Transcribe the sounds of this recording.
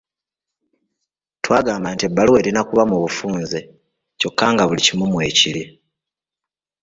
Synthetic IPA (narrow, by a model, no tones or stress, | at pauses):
twaːɡaːmbantiebːaluwe̞ːɾinakuβamuβufuːnze | co̞kːaːŋɡaβulicimumwe̞ːciɾi